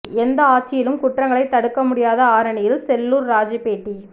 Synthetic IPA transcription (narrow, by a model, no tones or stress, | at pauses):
ɛnd̪ɐaːɾt͡ʃɪjɪlɯmkʊʈrɐŋɡɐɭɐɪt̪ːɐɽɯkːɐmʊɽɪjaːðɐaːɾɐɳɪjɪlsɛlːuːɾɾaːd͡ʒipeːʈːi